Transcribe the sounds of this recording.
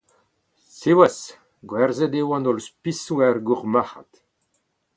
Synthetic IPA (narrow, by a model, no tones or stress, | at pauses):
sewas | ɡwɛɾzɛd̪ewɑ̃nɔlspisuɛrɡuʁmaha̰t̪